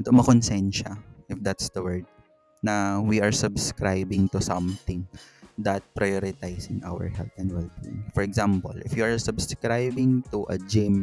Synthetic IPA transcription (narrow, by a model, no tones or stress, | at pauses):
ɐt̪oʔmɐkɔnsɛnʃaʔɪfd̪at̪sd̪ɐwɛɹd̪̚ | nɐwiʔɐɹsʊbskɾajbɪ̃ŋt̪ʊsɐ̃mt̪ɪ̃ŋd̪ɐt̪̚pɾɐjoɾɪt̪ajsɪ̃ŋʔa̰wɛ̰ɹhɛ̰lt̪ɛ̃nd̪wɛlbɪ̰̃ŋfɔɹɛɡzampo̰lʔɪfjuɐɹsʊbskɾajbɪŋt̪uʔɐ̰d͡ʒɪm